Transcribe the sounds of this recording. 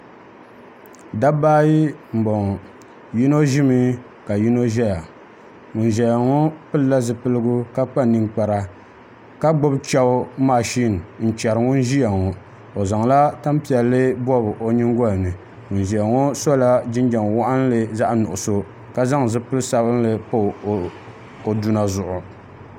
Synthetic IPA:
da˦baː˦ji˦m̩˨bɔ˨ŋɔ˨ | ji˦no˦ʒi˦mɨ˦ | ka˨ji˦no˦ʒɛ˦ja˨ | ŋʊ˨nʒɛ˨ja˨ŋɔ˦pɨ˦lɨ˦la˦zɨ˨pɨ˦lɨ˦ɡʊ˦ka˦k͡pa˦nɨ˨ŋk͡pa˨ɾa˦ | ka˦ɡ͡bʊ˦bt͡ʃɛ˦ʊ˦maː˨ʃi˦˨n˨n̩˦t͡ʃɛ˨ɾɨ˨ŋʊ˦nʒi˦ja˨ŋɔ˨ | o˨za˨ŋla˦ta˦m˦pi˨ɛ˨lːɨ˦bɔ˦bɨ˨ʔo˨ɲi˦ŋɡɔ˦lɨ˨nɨ˨ | ŋʊ˨nʒi˨ja˨ŋo˦so˦la˦d͡ʒɪ˦nd͡ʒa˨ŋ˨wa˦ʔa˦n˦lɨ˨za˦ʔnʊ˨ʔʊ˨so˦ | ka˦za˦ŋ˨zɨ˦pɨ˦lsa˦bɨ˦n˦lɨ˨po˦˨ | o˨du˦na˨zʊ˨ʔʊ˨

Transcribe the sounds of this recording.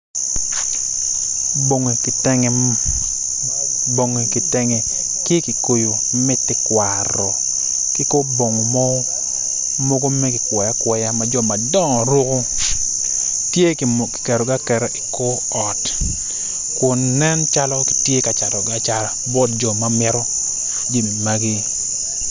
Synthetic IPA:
bo˨ŋe˨ktɛ˦ŋ | bo˨ŋe˨kɪ˨tɛ˦ŋɛ˨ | kɪ˦ki˨ko˨jo˨ | mɪ˦tːɪ˦kwa˨ɾɔ˨ | kɪ˦ko˦bo˨ŋo˨mɔ˦ | mo˦ɡo˦mɛ˦kɪ˨kwɛ˨ja˦kwɛ˨ja˦ma˨d͡ʒɔ˦ma˨dɔ˦ŋɔ˨ɾʊ˦ko˦ | tje˦kki̥˨kɛ˨ɾɔ˨ɡa˦kɛ˨ɾɛ˦ʔɪ˨ko˦ | ɔ˨t | kʊ˨nːɛ˦nt͡ʃa˦lɔ˦kɪ̥˨tje˦ka˨t͡ʃa˨dɔ˨ɡa˦t͡ʃa˨bɔ˦t̚d͡ʒɔ˨ma˨mɪ˦ɾɔ˦ | d͡ʒi˦˨m˨ma˦ɡi˦

